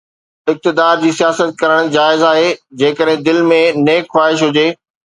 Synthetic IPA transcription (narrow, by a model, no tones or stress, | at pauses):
ɪk̚t̪ɪd̪aːɾd͡ʑiːsijaːsət̪̚kɐɾəɽ̃d͡ʑaːɪzaːɦed͡ʑeːkəɗɦɪ̃d̪ɪlmẽneːkxwaːɦɪʃ̬ɦʊd͡ʑeː